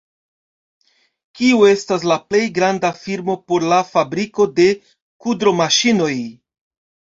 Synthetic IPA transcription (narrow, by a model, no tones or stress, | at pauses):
kiue̞stas̬laple̞jɡɾandafiɾmo̞po̞ɾlafabɾiko̞de̞ | kudɾo̞maʃino̞j